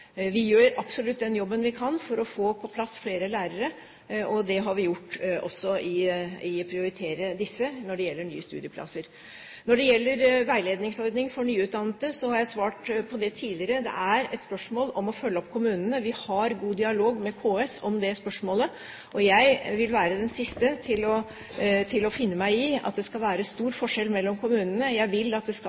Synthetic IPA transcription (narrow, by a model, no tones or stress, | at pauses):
ʋɪjøːɾɑpsɔlʉt̪ːd̪ɛnjɔbːənʋɪkʰɑnːfɔɾɔfoːpʰɔpʰlɑsfleːɾəlæːɾəɾə | ɔd̪ɛɦɑɾʋɪjʊʈːʔɔ̰sːɔʔɪɪpʰɾɪʊɾɪt̪ʰeːɾəd̪ɪsːənɔɖɛjɛlːəɳy̰ːəst̪ʉ̰ːd̪ɪəpʰlɑ̰səɾ | nɔɖɛjɛlːəɾʋæɪleːd̪nɪŋsɔɾd̪nɪŋfɔɳyːʉːt̪̚d̪ɑnət̪əsɔhɑɾjæɪsʋɑːʈpʰɔd̪ɛt̪ʰiːlɪəɾəd̪ɛ̰ʔæɾɛt̪spœʂmoːlɔmɔfœlːəɔpːkʰʊmʉːnənəʋɪhɑɾɡuːd̪ɪɑloːɡmɛkʰoːɛsɔmd̪ɛspœʂmoːlə | ʔɔjæɪʋɪlʋæːɾəd̪ɛnsɪst̪ət̪ʰɪlɔ | t̪ʰɪlɔfɪnːəmæɪɪɑ̰t̪̚d̪ɛskɑlʋæːɾəst̪uːɾfɔʂɛlmɛlːɔmkʰʊmʉːnənəjæɪʋɪlːɑt̪̚d̪ɛskɑ